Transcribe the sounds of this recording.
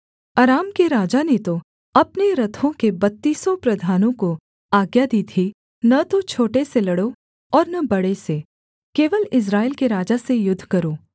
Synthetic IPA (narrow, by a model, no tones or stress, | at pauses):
ɐɾaːmkeɾaːd͡ʒanet̪o | ɐpneɾɐt̪ʰõkebɐt̪ːiːsopɾɐd̪ʱaːnõko | aːɡjad̪it̪ʰi | nɐt̪ot͡ʃʰoːʈeselɐɽo | ɔːɾnɐbɐɽese | keːʋəlɪs̬ɾaːelkeɾaːd͡ʒasejʊd̪ʱːkɐɾoː